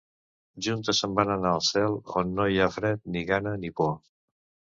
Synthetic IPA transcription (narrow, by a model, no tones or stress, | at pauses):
ʒunt̪əsəmbanənaəlˠsɛlˠo̰nːoiafɾɛt̪̚niɣanənipɔ